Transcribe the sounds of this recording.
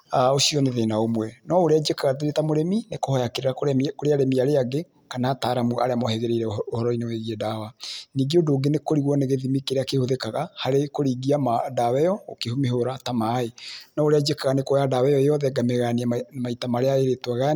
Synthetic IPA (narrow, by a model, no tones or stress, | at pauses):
aosiɔneðenaomwɛnɔoɾead͡ʒekaɣateɾetamoɾeminekohɔjakeɾeɾakokoɾeaɾemiaɾeaɡe | kanaːtaːɾamua̰ɾeamɔhɛɣeɾeiɾɛohɔɾɔineweɣiɛdawaniːɡeodoːɡenekoɾiɣwɔneɣeðimikeɾeakehoðekaɣahaɾekoɾiːɡiamadawɛjɔo̰kehomeɦoɾatamaːenɔoɾead͡ʒekaɣanekojadawɛjɔejɔðɛɡameɣaniamaitamaɾeaeɾetwaɣa